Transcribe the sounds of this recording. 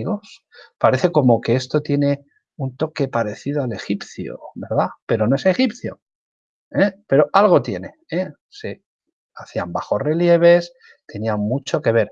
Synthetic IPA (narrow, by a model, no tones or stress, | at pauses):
ɣos | paɾe̞θe̞ko̞mo̞ke̞est̪o̞t̪je̞ne̞ | unt̪o̞ke̞paɾe̞θið̞oale̞xipθjo̰βe̞ɾðape̞ɾo̞noe̞se̞xipθjo̞̰ | epe̞ɾo̞ʔalɣ̞o̞t̪je̞ne̞ | e | se̞ | aθiambaxo̞sre̞lje̞β̞e̞s | t̪e̞niammut͡ʃo̞ke̞β̞e̞ɾ